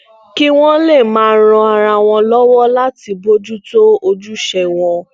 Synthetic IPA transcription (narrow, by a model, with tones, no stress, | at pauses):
ki˦w̃ɔ̃˦le˦˨mãː˨˦˧ɾ̃ɔ̃˧a˧ɾ̃a˧w̃ɔ̃˧lɔ˦wɔ˦la˦ti˧bo˦d͡ʒu˦to˦o˧d͡ʒu˦ʃɛ˧˨w̃ɔ̃˧